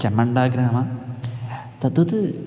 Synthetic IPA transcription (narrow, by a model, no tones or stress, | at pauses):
t͡ʃɐmːɐɳɖaːɡɾaːma | t̪ɐt̪ːɐt̪ɨ